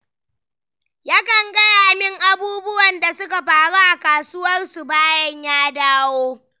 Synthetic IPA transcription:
ja˦kɐ˨ŋɡɐ˦jaː˨mɪ˦ŋʔa˨buː˦bʊ˦wɐ˨nda˨sʊ˦ka˨ɸaː˨ɽa˦ʔa˨kaː˨sʊ˦wɐ˦rsu˨baː˦jɐ˦ɲjaː˦daː˦woː˦

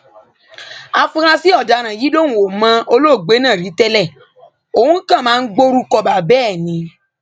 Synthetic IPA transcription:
a˧fũ˧ɾ̃ã˧si˦ɔ˦˨da˧˨ɾ̃ã˨ji˨˦lo˦nũ˨wo˨mã˧o˧lo˦˨ɡ͡be˨˦nãː˦˨ɾi˨˦tɛ˦lɛ˦˨ | o˨hũ˦kã˦˨mãː˦˧n̩˦ɡ͡bo˦ɾu˧kɔ˧ba˨bɛː˦˨nĩ˧

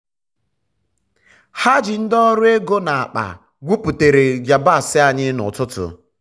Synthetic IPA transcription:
ha˦d͡ʒɪ˨n̩˦dɔ˦ɾʊ˦e˦ɡo˦na˨a˨k͡pa̰˨ | ɡʷu˦pu˨te˨ɾe˨d͡ʒa˨ba˦˨sɪ˦a˨ɲɪ˦nʊ̰˨tʊ˦tʊ̰˨

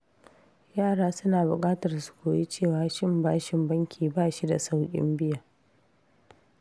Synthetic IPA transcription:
jaː˦˨ɽaː˦sʊ˦naː˨bʊ˨kʼaː˦tɐ˨rsu̥˨kʷoː˨ji˦t͡ʃeː˦˨waː˨ʃɪ˦mbaː˦ʃɪ˨mbɐ˦ŋkʲʰiː˨baː˦˨ʃi˦da˨sa˦wkʲʼɪ̰˦mbɪ˦jaː˨

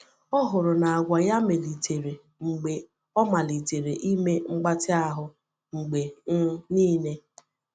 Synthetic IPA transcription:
ɔ˦ɦʊ˨ɾʊ˨na˨a˨ɡʷa˨ja˦me˨li˨te˨ɾe˨ | ŋ͡m̩˨ɡ͡be˨ | ɔ˦ma˨li˨te˨ɾe˨ʔi˦me˦ŋ͡m̩˦ɡ͡ba˦tɪ˦a˦ɦʊ˨ | ŋ͡m̩˨ɡ͡be˨n̩˦niː˦ne˦

